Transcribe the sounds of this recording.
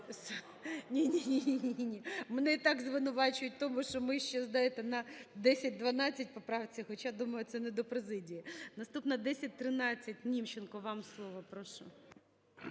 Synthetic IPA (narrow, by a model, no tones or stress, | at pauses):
s | nʲinʲiinʲiiinʲimɛnɛit̪ɑkzʋɪnʊʋɑt͡ʃʊjʊt̚ʲt̪ɔmuʃɔmɪʃt͡ʃɛzd̪ɑjɛt̪ɛnɐd̪ɛsʲɐt̚ʲd̪ʋɐnɑt͡sʲːɐt̚ʲpɔpɾɑʋt͡sʲːɐxɔt͡ʃad̪umɐjʊt̪sɛnɛd̪ɔpɾezɪdʲijinɐst̪upnɐd̪ɛsʲɐt̚ʲt̪ɾɪnɑt͡sʲːɐt̚ʲnʲimt͡ʃenkɔʋɑmslˠɔʋɔpɾɔʃɔ